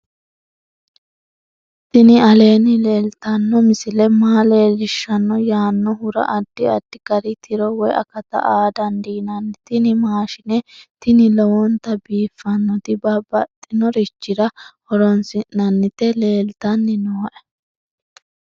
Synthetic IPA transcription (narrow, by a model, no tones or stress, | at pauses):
t̪ɪnɪɐle̞ːnɪle̞ːlt̪ɐnːɔmɪsɪlɛmaːle̞ːlɪʃːɐnːɔjaːnːɔɦʊɾɐ̰ʔɐd̪ːɪɐd̪ːɪɡɐɾɪt̪ʰɪɾɔwɔjɐ̰kɐt̪ɐ̰ʔaːd̪ɐnd̪iːnɐnːɪt̪ɪnɪmaːʃɪnɛt̪ɪnɪlɔwɔnt̪ɐbiːfːɐnːɔt̪ɪbɐbɐt̪ʼːɪnɔɾɪt͡ʃːɪɾɐhɔɾɔnsɪnːɐnːɪt̪ɛle̞ːlt̪ɐnːɪnoːʔɛ